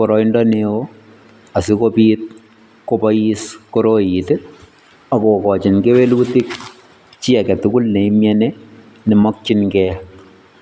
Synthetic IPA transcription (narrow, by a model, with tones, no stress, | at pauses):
pɔɾɔ˨indɔneo | a˨si˦kopit̚ | ko˦pɔjiskoɾojitɪ | a˨ko˨kɔ˨t͡ʃɪ˨nke˦we˦luti˦k̚ | t͡ʃi˦a˨kɛ˨tʊ˦kʊ˦lne˨imjɛne | nɪ˨mɔ˦k̚t͡ʃɪnkɛ